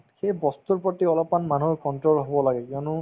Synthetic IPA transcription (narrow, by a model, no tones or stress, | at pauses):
xejbɔst̪uɹpɹɔtiɔlɔpanmanukɔntɹolɦobɔlaɡɛkiɔnʊ